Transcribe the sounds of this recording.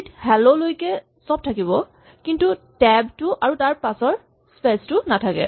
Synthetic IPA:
thɛlolojkɛ | sɔb̚tʰakiβɔ | kintutɛbtʊʔaɹutaɹpasɔɹ | spestʊnatʰakɛ̰

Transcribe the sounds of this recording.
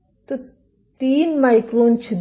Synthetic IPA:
t̪o | t̪iːnmajkɾoːnt͡ʃʰid̪

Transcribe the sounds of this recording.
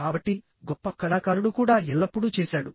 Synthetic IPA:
aːbɐʈːi | ɡɔpːɐkɐlaːkaːɾunukuːɽaːɛlːɐpːuɽut͡ʃɛːsaːɽu

